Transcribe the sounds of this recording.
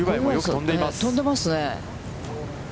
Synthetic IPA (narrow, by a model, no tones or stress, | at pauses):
joõnd̪eat̪õnd̪e̞masɨne